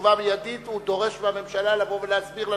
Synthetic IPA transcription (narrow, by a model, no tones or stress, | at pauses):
vabejad̪it̪ud̪o̞ʁe̞ʃbeame̞mʃalalavo̞veleat͡sbiʁla